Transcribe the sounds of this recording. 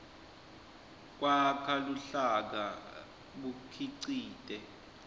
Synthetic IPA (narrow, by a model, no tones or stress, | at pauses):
k̬wakʰaluɬak̬a | ɓukʰiǀiːtʼɛ